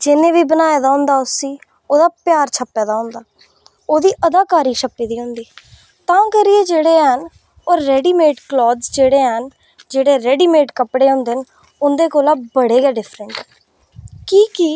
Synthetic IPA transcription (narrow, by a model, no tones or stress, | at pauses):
d͡ʒɪnẽːʋiːbənaːjeːd̪aːɦʊ̃nd̪aːʊsːiː | oːd̪aːpjaːɾt͡ʃʰəpːɛːd̪aːɦʊ̃nd̪aː | oːd̪iːʔəd̪aːkaːɾiːʃəpːiːd̪iːɦõnd̪iː | t̪ãːkəɾɪeːd͡ʒeːɽeːɦən | oːɾːɛːɖiːmeːʈklɔːd̪zd͡ʒeːɽeːɦən | d͡ʒeːɽeːɾɛːɖiːmeːʈkəpɽeːɦõːnd̪eːn | ʊnd̪eːkoːlaːbəɽeːɡɛːɖɪfʰɾəɳʈɛː | kiːki